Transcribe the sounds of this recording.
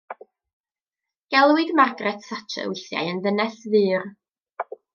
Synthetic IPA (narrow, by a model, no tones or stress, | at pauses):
ɡ̥ɛlˠwɨdmarɡrɛtsatʰɛ̰wɪθja̰ɨənðənɛsvɨːr